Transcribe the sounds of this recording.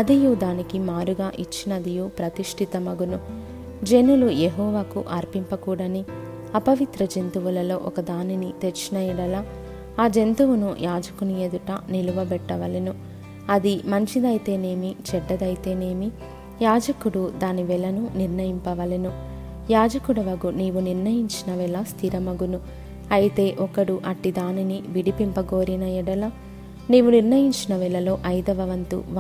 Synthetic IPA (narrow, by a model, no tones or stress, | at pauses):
ɐd̪ijud̪aːnikimaːɾuɡaːʔit͡ʃːinɐd̪ijupɾɐt̪iʂʈʰit̪ɐmɐɡunu | d͡ʒe̞nulujeɦɔːʋaːkṵʔɐɾpimpɐkuːɽɐni | ɐpɐʋit̪ɾɐd͡ʒe̞nt̪uʋulɐlo̞ːʔɔkɐd̪aːninit̪et͡ʃːinɐjɐɽɐlaː | aːd͡ʒe̞nt̪uʋunujʔaːd͡ʒɐkunujed̪uʈɐniluʋɐbɛʈːɐʋɐlinu | ɐd̪imɐɲt͡ʃid̪ɐjt̪e̞ːne̞ːmit͡ʃɛɖːɐd̪ɐjit̪e̞ːne̞ːmi | jaːd͡ʒɐkuɽud̪aːniʋɛlɐnuniɾnɐjimpɐʋɐlɐnu | jaːd͡ʒɐkuɽɐʋɐɡuniːʋuniɾɳɐjiɲt͡ʃinɐʋɛlɐst̪ʰiɾɐmɐɡunu | ɐjit̪e̞ːʔɔkɐɽuʔɐʈːid̪aːniniʋiɽipimpɐɡoːɾinɐjiɽɐlɐ | niːʋuniɾnɐjiɲt͡ʃinɐʋilɐlo̞ːʔɐjd̪ɐʋɐʋɐnt̪ṵʋ